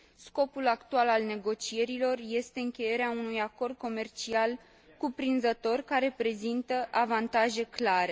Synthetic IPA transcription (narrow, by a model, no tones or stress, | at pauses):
sko̞pulakt̪ualalne̞ɡo̞t͡ʃie̞ɾilo̞rje̞st̪e̞ɨŋkʲe̞je̞ɾeaunujako̞rd̪̚ko̞me̞rt͡ʃial | kupɾinzət̪o̞rkaɾe̞pɾe̞zint̪əʔavant̪aʒe̞klaɾe̞